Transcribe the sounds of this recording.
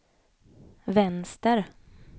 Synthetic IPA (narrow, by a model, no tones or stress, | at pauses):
vɛnst̪əɾ